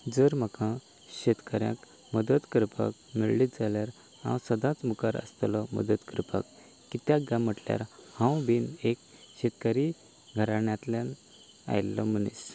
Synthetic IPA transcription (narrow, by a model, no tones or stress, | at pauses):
d͡zəɾm̤əkã | ɕet̪kəɾjã̰k | məd̪ət̪kəɾpa̰k̚miɭlit̪d͡zaljaɾ | hã̰wsəd̪ãt͡smukaɾə̰st̪lɔmə̰d̪ət̪kəɾpa̰kː | it̪jaɡãm̤əʈlja̰ɾhãwbinekɕet̪kaɾi | ɡʱəɾaɳjãt̪ljan | a̰jlɔm̤ənḭs